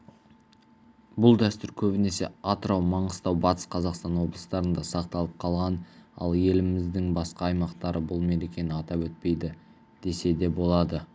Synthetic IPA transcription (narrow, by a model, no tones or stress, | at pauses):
bʊlˠd̪æst̪ʏɾkʲʰɵbɪne̞se̞̰ɑt̪əɾɑwmɑɴəst̪ɑwbɑt̪ə̥sqʰɑzɑqst̪ɑnwo̞blˠə̥st̪ɑɾənd̪ɑsɑq̚t̪ɑlˠəp̚qʰɑlˠʁɑnɑ̰lˠje̞lɪmɪzd̪ɪŋbɑsqɑːjmɑqt̪ɑɾəbʊlˠme̞ɾekʲe̞nɪɑt̪ɑpwɵt̪̚pe̞jd̪ɪ | d̪̥e̞se̞d̪e̞bo̞lˠɑd̪ə